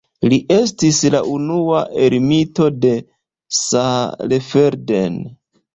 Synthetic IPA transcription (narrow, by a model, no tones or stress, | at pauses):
liʔe̞stisla̰ʔunuaʔe̞ɾmito̞de̞ | salefe̞ɾden